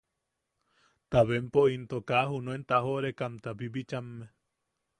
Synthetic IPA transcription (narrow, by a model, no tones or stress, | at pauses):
t̪aβempoʔint̪okahunõent̪ahoʔɾekamt̪abibit͡ʃamːe